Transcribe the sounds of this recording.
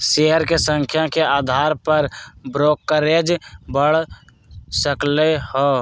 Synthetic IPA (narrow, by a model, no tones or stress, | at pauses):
ʃeɦəɾkesə̃ŋkʰjakeaːd̪ʱaːɾpəɾbɾoːkːəɾed͡ʒbəɽ̤ | səklehɔ